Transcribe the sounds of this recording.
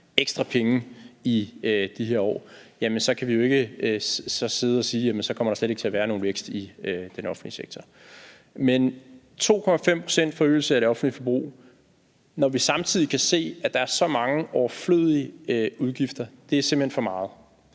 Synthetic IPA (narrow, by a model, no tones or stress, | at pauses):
eɡ̥sd̥ʁɑpʰeŋəiød̥iɦeɐ̰ɒ̰ːjæmənsɒ̽kʰæʋijo̝e̝ɡ̥ə | sɒ̽se̝ð̞ˠɒ̽siːjæmənsɒkʰɒ̽mɐɾɑ̈sleɾ̥e̝ɡ̥ət͡sʰe̝æɐʋæːɐno̝ːn̩ʋeɡ̥sd̥iød̥enɒ̽fn̩liseɡ̥̚t͡sʰɒ | men | t͡sʰo̝̰ːkʰɒ̽mæfem̰pʰʁo̝sen̰d̥fɒ̽ø̰ːl̩səæɾ̥e̝ɒ̽fn̩dlifɒ̽b̥ʁṵː | nɒʋisɑ̈mt͡sʰið̰ˠikʰæse̝̰ːæd̥ɑ̈æɐsɒ̽mɑ̈ŋəʔɒʊɐflø̰ð̰ˠiəuð̞ˠɡ̥ifd̥ɐd̥e̝æɐse̝mb̥̩henfɒ̽mɑ̈ːð̞̩ˠ